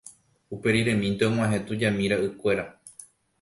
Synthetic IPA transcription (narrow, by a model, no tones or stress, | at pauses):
upe̞ɾiɾẽ̞mĩnt̪eõmõãɦẽ̞t̪ud͡ʒamĩɾaʔɨkʷe̞ɾa